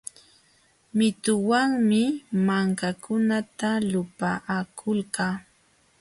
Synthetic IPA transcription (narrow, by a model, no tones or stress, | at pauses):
mɪt̪ʊwaŋmɪmaŋkakʰʊnat̪alʊpaʔakʰʊlkaː